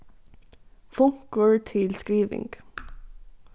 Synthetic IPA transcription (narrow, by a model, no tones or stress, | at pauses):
fʊŋkəɹtʰɪlskɹiːʋɪ̰̃ŋɡ̥